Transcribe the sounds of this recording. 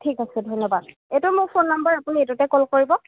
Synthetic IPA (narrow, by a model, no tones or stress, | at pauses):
tʰikasɛdʱɔjnɔbad̚ | etʊmʊɹpʰonːambəɹapunietutɛkɔlkoɹibɔ